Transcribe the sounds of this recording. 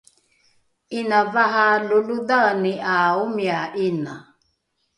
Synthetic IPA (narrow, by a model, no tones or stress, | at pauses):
inavaɦalulud̪aniʔaumiaʔina̰